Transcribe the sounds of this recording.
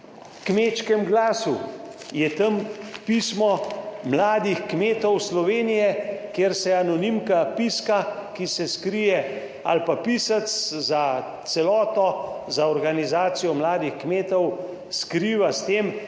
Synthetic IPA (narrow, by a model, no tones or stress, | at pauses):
kmeːt͡ʃkɛmɡlaːsu | jɛt̪əmpismɔmlaːd̪ixkmeːt̪ɔwslɔʋeːnijɛkjeːɾsɛanɔnimkapiskakisɛskɾijɛ | a̰lpapiːsat̪sza | t̪sɛlɔːt̪ɔzaɔɾɡanizaːt̪sijɔmlaːd̪ixkmeːt̪ɔw | skɾiːʋast̪eːm